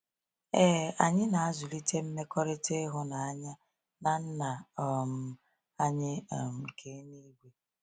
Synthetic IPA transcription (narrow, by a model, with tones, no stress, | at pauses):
eː˦a˨ɲɪ˦na˨a˦zʊ˨li˦te˦m̩˦me˦kɔ˦ɾe˦te˦ɦʊ˦na˨a˦ɲa˦ | na˨n̩˦na˨ɔ˨m̩˦ | a˦ɲɪ˦˨m̩˨kʰe˨˦ni˦ɡʷe˨